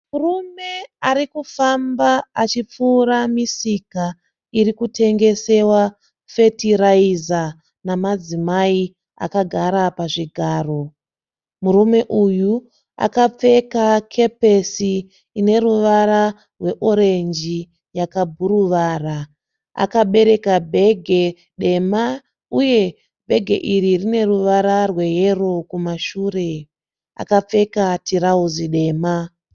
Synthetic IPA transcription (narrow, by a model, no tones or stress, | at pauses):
murume̞aɾikufambaːt͡ʃip͡fuːɾamisika | iɾikutʰe̞ŋɡe̞se̞wa | fe̞tiraiza | namad͡zimai | a̰kaɡʱaɾapaʐiɡʱaːro̞ | muɾume̞ʔuju | a̰kap͡fe̞kakʰe̞pe̞siː | ne̞ɾuʋaɾa | rwe̞ʔo̞ɾe̞nd͡ʒi | jakabʱuɾuʋaːra | a̰kaɓe̞ɾe̞kabʱe̞ɡʱe̞ | ɗe̞ma | uje̞ | bʱe̞ɡʱe̞ʔiɾirine̞ruʋaɾarwe̞je̞ro̞kumaʃuːre̞ | a̰kap͡fe̞katiɾauziɗe̞ːma